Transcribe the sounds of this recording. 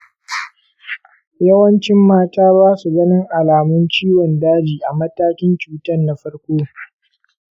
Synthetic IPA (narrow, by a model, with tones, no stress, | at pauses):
jɐ˦wɐ˦nt͡ʃɪ˦mːaː˦taː˦baː˦su˨ɡɐ˦nɪ˦ŋʔa˨laː˨mʊ˦nt͡ʃiː˦wɔ˨ndaː˦d͡ʒiː˨ʔa˨mɐ˦taː˦kʲɪ˦nt͡ʃuː˨tɐ˦nːa˦ɸɐ˦rkʷoː˦